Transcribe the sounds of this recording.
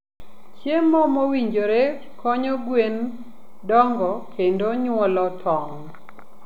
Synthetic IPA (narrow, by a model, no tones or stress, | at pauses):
t͡ʃjemːɔmowiɲd͡ʒoɾe | kɔɲɔɡwen | dɔŋɡɔkʰendoɲwɔlɔtʰɔŋ